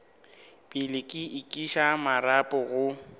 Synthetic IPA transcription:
pʼɪlɪkʼɪɪkʼiʃamaɾapʼɔɣʊ

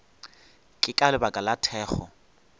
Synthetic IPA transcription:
kʼɪkʼalɪbakʼalatʰɛːχɔ

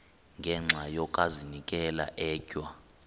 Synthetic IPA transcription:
ŋɡʱɛŋ͡ǁʱajɔkʼazinikʼɛla̰ʔɛːcʼwa

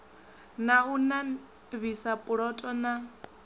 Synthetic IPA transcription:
nauna | βisapʼuɺɔtʼɔna

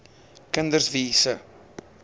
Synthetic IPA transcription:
kəndərsviːsə

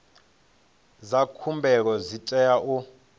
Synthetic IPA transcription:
zakʰumbʱɛk̬ɔzitʼɛjaʔu

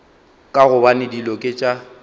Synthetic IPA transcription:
kʼaɣʊbanɪdilɔkʼɪt͡ʃʼa

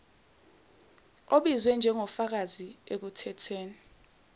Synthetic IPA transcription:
oɓizwɛnd͡ʒʱɛŋɔfak̬aziek̬utʰɛtʰeːni

